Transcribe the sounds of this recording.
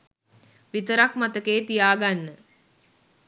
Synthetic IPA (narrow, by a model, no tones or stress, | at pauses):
ʋit̪əɾakmat̪əkeːt̪ijaːɡanːə